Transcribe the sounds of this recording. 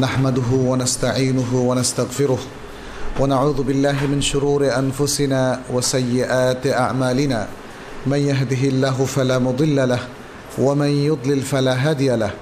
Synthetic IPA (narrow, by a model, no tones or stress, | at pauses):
naħmad̪ʊɦʊwanast̪aʕiːnʊɦʊwanast̪aɣfɪɾʊh | wanaʕuːðʊbɪlːaːɦɪmɪnʃʊɾuːɾɪʔanfʊsɪnaːwasajːɪʔaːt̪ʔaʕmaːlɪnaː | manjaɦd̪ɪɦɪlːaːɦʊfalaːmʊd̪ˤɨlːalah | wamanjʊd̪ˤlɪlfalaːɦaːd̪ɪjalah